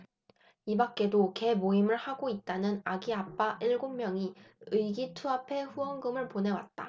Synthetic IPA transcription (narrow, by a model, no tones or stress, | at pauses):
ibak͈̚e̞doke̞moimɯɭhaɡoit̚t͈anɯnaɡiap͈aʔiɭɡommjʌŋiɯjɡitʰuapʰe̞ɸuʌŋɡɯmɯɭpone̞wa̰t̚t͈a̰